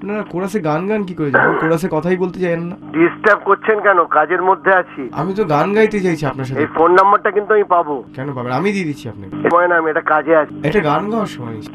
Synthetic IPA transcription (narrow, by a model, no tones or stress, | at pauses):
pnaɾakoɽaseɡanɡank̬ikoɾed͡ʑabenkoɽasekɔt̪ʰajbolt̪et͡ɕajnːaɖisʈap̚koɾt͡ɕʰenkɛnokad͡ʑeɾmod̪ʱːeat͡ɕʰia̰mit̪̬oɡanɡajt̪et͡ɕajt͡ɕʰiapnaɾʃaejfonːambaɾʈakint̪uamipabokɛnopabenamid̪id̪it͡ɕʰiapna̰kemɔenaamieʈakad͡ʑeat͡ɕʰeʈaɡanɡʱaaɾʃɔmɔeni